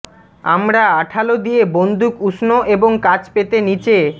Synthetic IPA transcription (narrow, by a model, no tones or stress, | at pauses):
a̰mɾaaʈʰalod̪ijebond̪ukuʃnoʔeboŋkat͡ɕpet̪enit͡ɕe